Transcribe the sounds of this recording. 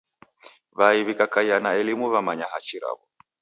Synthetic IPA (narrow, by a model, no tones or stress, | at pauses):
βaiβikakaianaɛlimuβamaɲaɦat͡ʃiɾa̰βɔ